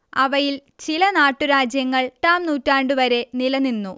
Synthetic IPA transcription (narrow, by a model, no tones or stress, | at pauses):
ɐʋɐjil | t͡ɕilɐnaːʈːuɾaːd͡ʑjɐŋːɐɭʈaːmnuːtːaːɳɖuʋɐɾe̞nilɐninːu